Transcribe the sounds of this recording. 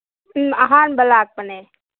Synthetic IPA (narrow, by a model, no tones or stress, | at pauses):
ɐɦaːnbəlaːk̚pəne